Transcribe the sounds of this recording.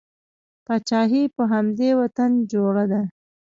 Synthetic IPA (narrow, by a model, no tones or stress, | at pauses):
pat͡ʃɑɦipəɦamd̪ewat̪and͡ʒoɽad̪a